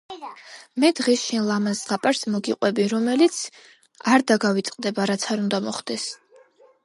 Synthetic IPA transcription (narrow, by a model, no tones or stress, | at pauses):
mɛd̪ʁɛsʃinlˠamanzʁapʼaɾsmɔɡiqʼwɛbiɾɔmɛlit̪sʰ | aɾd̪aɡavit̪sʼqʼd̪ɛbaɾat̪sʰaɾund̪amɔχd̪̥ɛs